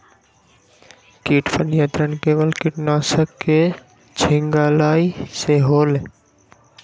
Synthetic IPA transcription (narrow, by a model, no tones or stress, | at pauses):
kiːʈpənjət̪ɾənkeːʋəlkɪʈnaːsəkːe | t͡ʃʰɪŋɡaːlaːiseɦoːle